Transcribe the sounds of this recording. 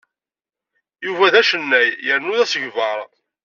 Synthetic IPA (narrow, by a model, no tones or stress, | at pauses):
juvæðæʃənːæjjəɾnuðæsəʝvɑɾˤ